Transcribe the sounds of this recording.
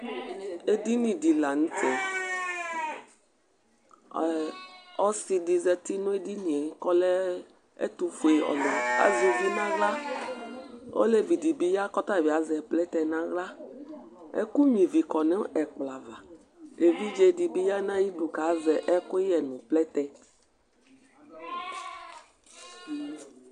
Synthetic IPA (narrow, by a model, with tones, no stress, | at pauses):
e˦di˦nĩ˨di˨la˨nũ˦tɛ˨ | ɔ˦si˨di˨zɛ˨t̪i˦nũ˦e˦di˦nĩ˨e˨˦kɔ˦lɛ˦ | ḛ˦t̪u˦fu˨e˨ɔ̰˨lɔ̃˨a̰˨zo˨vi˦nã˦ɣla˦ | o̰˦le˦vi˨di˨bi˦ja˦kɔ˦t̪a˦˨bi˨a˨zɛ˨plɛ˦t̪ɛ˨nã˦ɣla˦ | ḛ˦ku˦mĩ˨vi˨kɔ˨nɛ̃˦ʔɛ˨k͡pla˨va˨ | e˨vi˦d͡ʒe˦di˨bi˦ja˦nã˦ji˦ɖu˨ka˨˦zɛ˨ʔɛ˦ko˦jɛ˨nũ˨plɛ˦t̪ɛ˦